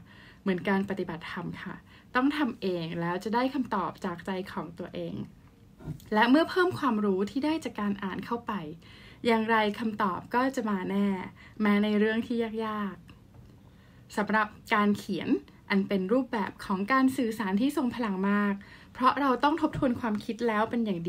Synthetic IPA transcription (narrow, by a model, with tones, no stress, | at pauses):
mɯ˩˦ənkaː˧npa˧˩t̪i˨˩ba˨˩t̪ʰːa˧mkʰa̰˥˩ | t̪ɔ˥˩ŋt̪ʰa˧mʔeː˧ŋlɛː˦˥wt͡ɕa˨˩daː˥˩jkʰa˧mt̪ɔː˨˩p̚t͡ɕaː˨˩k̚t͡ɕa˧jkʰɔː˩˦ŋt̪u˧ɐʔeː˧ŋ | lɛ˦˥ʔmɯ˥˩ɐpʰɤː˥˩mkʰwaː˧mɾuː˦˥t̪ʰiː˥˩daː˥˩jt͡ɕaː˨˩kːaː˧nʔaː˨˩nkʰa˥˩wpa˧j | jaː˧ŋɾa˧jkʰa˧mt̪ɔ̰ː˨˩p̚kɔː˥˩t͡ɕa˨˩maː˧nɛː˥˩ | mɛː˦˥na˧jɾɯ˥˩əŋt̪ʰiː˥˩jaː˥˩k̚jaː˥˩k̚ | sa˩˦mɾa˨˩p̚kaː˧nkʰi˩˦ən | ʔa˧npe˧nɾuː˥˩p̚bɛ̰ː˨˩p̚kʰɔː˩˦ŋkaː˧nsɯː˨˩saː˩˦nt̪ʰiː˥˩so˨˩ŋpʰa˧la˧˦ŋmaː˥˩k̚ | pʰɾɔ˦˥ɾa˧wt̪ɔ˥˩ŋt̪ʰo˦˥p̚t̪ʰu˧ənkʰwaː˧mkʰi˦˥t̪̚lɛː˦˥wpe˧njaː˨˩ŋdi˧